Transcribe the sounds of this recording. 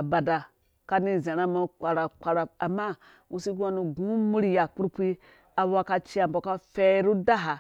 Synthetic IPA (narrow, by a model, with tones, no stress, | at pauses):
a˨ba˨da˨ | ka˦ni˦˨ze˨ɾa˦ma˦k͡pʷa˨ɾa˨k͡pa˨ɾa˨a˨ma˦ | u˨si˦ɡa˦nu˨ɡu˦mu˦ɾi˦ja˨k͡pu˦ɾpʷi˦ | a˨wa˦ka˧t͡ʃi˦a˨m˨bo˨ka˦fe˦ɾu˦da˦ɦa˨